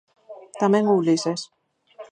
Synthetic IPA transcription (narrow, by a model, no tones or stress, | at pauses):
t̪amẽŋulises